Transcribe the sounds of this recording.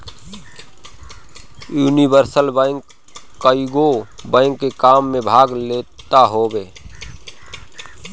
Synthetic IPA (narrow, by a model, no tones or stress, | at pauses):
juːnibəɾsəlbə̃ŋkː | əiɡobə̃ːŋkːekaːmːẽbʱaːɡleːt̪aɦoːbeː